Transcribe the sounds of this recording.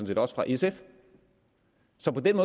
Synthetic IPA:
nt͡sʰi̝̰ːdi̥ɒ̽sfʁɑ̈ʔesef | sɒ̽pɒ̽d̥enmɔ̽ː

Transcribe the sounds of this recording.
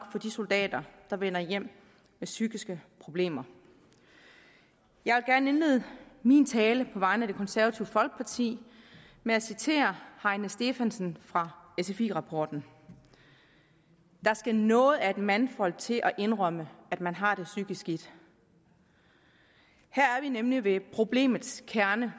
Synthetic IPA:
ɡ̥fɒ̽d̥iso̝ld̥ɛ̰ːd̥ɐd̥ɑ̈ʋen̰ɐjem̰ | mesyɡ̥isɡ̥əpʰʁo̝b̥le̝̰ːmɐ | jɑ̈ɪʋelɡ̥æɐnəe̝nle̝ːð̩ˠmint͡sʰɛːləpʰɒ̽ʋɑ̈ɪ̰nəæde̝kʰɒ̽nsæɐʋæt͡sʰiʊfɒ̽lɡ̥̚pʰɑ̈t͡sʰḭː | meæsit͡sʰe̝̰ːɐhɑ̈ɪnəsd̥e̝fænsn̩fʁɑ̈esefḭːʁɑ̈pʰɒ̰ːd̥n̩ | d̥ɑ̈sɡ̥ænɔ̽ːð̩ˠæe̝d̥mænfɒ̽l̰t͡sʰe̝ʔɒʔe̝nʁœməæd̥mænɦɑ̈ːd̥e̝syɡ̥isɡ̥id̥ | hæɐ̰æɐʋinemliʋe̝pʰʁo̝b̥le̝̰ːmð̩ˠskʰæɐnə

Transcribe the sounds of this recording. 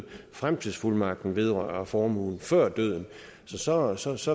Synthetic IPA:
fʁamt͡sʰið̰ˠsfulmɑ̈ɡ̥̚d̥n̩ʋe̝ð̞ˠʁɶːɐɐfɒːmṵːn̩fɶɐ̰d̥øð̞̰ˠn̩ | sɒ̽sɒ̽sɒ̽sɒ̽

